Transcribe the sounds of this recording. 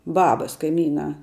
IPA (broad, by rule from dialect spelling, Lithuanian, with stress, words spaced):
ˈbɑːbɐs kɐɪˈmʲiːnɑː